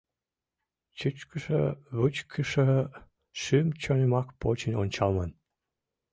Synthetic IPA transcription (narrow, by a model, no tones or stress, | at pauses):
t͡ɕut͡ɕkəʃə̰βut͡ɕkʰəʃə | ʃymt͡ɕonemɑkpot͡ɕənʲonʲt͡ɕɑlmɑn